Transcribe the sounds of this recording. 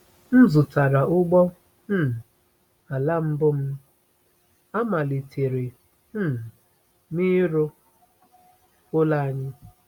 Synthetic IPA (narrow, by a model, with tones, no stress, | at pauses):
n̩˦zʊ˨ta˨ɾa˨ʔʊ˦ɡ͡bɔ˦ | m̩˦˨ | a˨la˦m̩˦bʊ˦m̩˦ | a˦ma˨li˨tʰe˨ɾɪ˨˦˨ | mi˦ɾʊ˦ | kʊ˦la˦ɲɪ˦